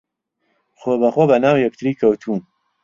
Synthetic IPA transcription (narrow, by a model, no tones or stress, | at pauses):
xobaxobanaːwjakt̪ɾikawt̪ʰun